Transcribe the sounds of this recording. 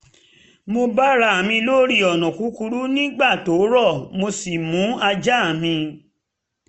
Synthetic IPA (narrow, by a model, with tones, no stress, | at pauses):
mo˧ba˦ɾa˧˦a˨mĩ˧lo˦ɾi˦˧˨ɔ˨nɔ̃˨ku˨˦ku˧ɾu˦nĩ˦ɡ͡ba˦˨to˨˦ɾɔ˦˨mo˧si˨mũ˨˦a˧d͡ʒa˦a˦˨mĩ˧